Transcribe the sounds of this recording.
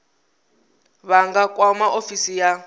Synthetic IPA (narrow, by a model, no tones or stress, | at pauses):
βaŋɡakwamaʔofisija